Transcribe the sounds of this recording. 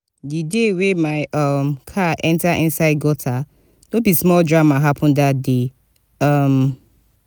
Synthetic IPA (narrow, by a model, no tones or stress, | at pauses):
didewemaɪʔʌmkʰaʔɛ̃ntaʔɪ̃nsaɪd̚ɡɔtʰa | nõbismɔldɹamaɦapʰɔ̃ndat̚de | ʌm